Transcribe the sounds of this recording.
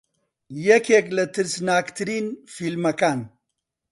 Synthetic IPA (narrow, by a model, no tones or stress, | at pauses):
jekeklɐt̪əɾsnaːkt̪ʰɾinfilmɐkan